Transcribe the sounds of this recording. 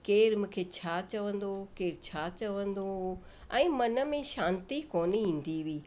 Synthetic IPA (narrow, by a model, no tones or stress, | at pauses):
keːɾmũːkʰet͡ɕʰaːt͡ɕɐʋə̃n̆d̪okeːɾt͡ɕʰaːt͡ɕɐʋə̃nd̪o | ɛ̃ːmɐnə̆mẽʃãːnt̪ikoːniĩːn̆d̪iʋiː